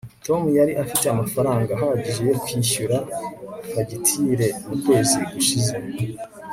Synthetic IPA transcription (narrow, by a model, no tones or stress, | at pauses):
to̞mujaɾiʔafiteamafaɾaːŋɡaɦaaɟiʒe̞jo̞kwiːʃuɾa | haɟitʰiɾe̞mukwe̞ːziɡuʃize̞